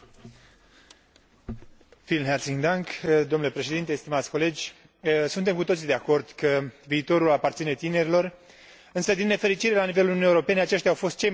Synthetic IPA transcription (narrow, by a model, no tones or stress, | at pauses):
filnɦersiŋd̪aŋkd̪o̞mnulepɾe̞ʃe̞d̪int̪est̪imat̪sʲko̞le̞d͡ʒʲ | sunt̪e̞mkut̪o̞t̪sid̪eako̞rd̪̥kəviːt̪o̞ɾulapart̪sine̞t̪ine̞ɾilo̞r | ɨnsəd̪inːe̞fe̞ɾit͡ʃiɾelanive̞lulununijeuɾo̞pe̞neat͡ʃe̞ʃt̪ʲawfo̞st̪̚t͡ʃe̞j